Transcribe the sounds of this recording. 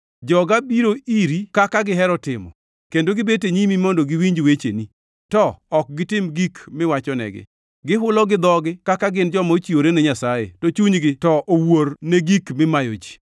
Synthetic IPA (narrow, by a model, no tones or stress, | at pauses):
d͡ʒɔɡabiɾoiɾikakaɡɪɦɛɾɔtɪmɔ̰ | kendoɡɪbeteɲimimɔndɔɡɪwiɲd͡ʒwet͡ʃḛni | tɔːk̚ɡɪtɪmɡikmɪwat͡ʃɔnɛ̰ɡɪ̰ | ɡɪɦʊlɔɡɪd̪ɔɡɪkakaɡɪnd͡ʒɔmaot͡ʃioɾenɛɲasajḛtot͡ʃuɲɡɪtɔʔoworneɡikmɪmajod͡ʒi̥